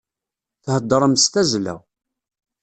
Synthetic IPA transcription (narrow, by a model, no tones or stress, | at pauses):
θhəd̪ˤːəɾˤəmst̪æzlæ̰w